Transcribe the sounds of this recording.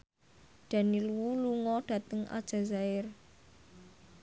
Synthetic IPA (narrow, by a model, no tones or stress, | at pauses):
ɖ̥ä̤niluwuluŋɔɖ̥ä̤t̪əŋʔa̰d̥ʒ̥a̤zaɪr